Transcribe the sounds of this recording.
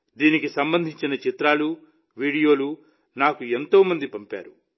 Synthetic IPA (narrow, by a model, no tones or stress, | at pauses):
d̪iːnikisɐmbɐnd̪ʱiɲt͡ʃinɐt͡ʃit̪ɾaːlu | ʋiːɽijo̞ːlu | naːkue̞nt̪o̞ːmɐnd̪ipɐmpa̰ːɾu